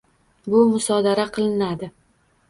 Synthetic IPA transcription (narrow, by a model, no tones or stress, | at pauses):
bʊmʊsɒd̪aɾaqʰɨlˠɪnad̪ɪ